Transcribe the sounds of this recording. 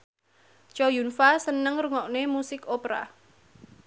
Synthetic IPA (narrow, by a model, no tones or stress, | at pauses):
t͡ʃɔjunfasənəŋɾuŋɔʔnemusɪkopɾa̰